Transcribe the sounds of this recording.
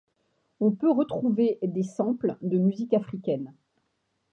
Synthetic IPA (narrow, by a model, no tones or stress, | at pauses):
ɔ̃pøʁət̪χuved̪esɑ̃pld̪əmyzikafχikʲɛn